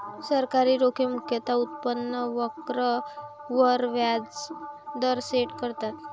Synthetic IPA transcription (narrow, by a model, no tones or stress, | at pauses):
səɾkaɾiːɾokʰimukʰjət̪aut̪̚pənːəʋəkɾə | ʋəɾʋjad͡zd̪əɾseʈkəɾt̪at̪